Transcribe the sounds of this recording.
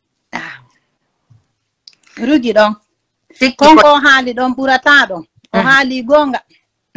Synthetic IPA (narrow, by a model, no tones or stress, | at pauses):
ɾuɡiɗɔn | kɔŋɔɦaːliɗɔnɓuɾataɗɔn | ʔɔhaliɡɔŋɡa